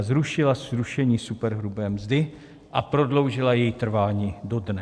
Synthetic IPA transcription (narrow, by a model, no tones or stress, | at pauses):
zɾuʃɪlasɾuʃɛɲiːsupɛɾɦɾubɛːmzdɪ | ʔapɾo̞dlo̞wʒɪlajɛjit̪r̩vaːɲiːdo̞dnɛ